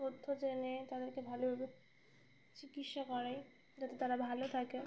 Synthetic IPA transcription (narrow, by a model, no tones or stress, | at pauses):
od̪ʱːod͡ʑenet̪ad̪eɾkebʱalo | t͡ɕikit̪ʃakɔɾej | d͡ʑat̪et̪aɾabʱalot̪ʰake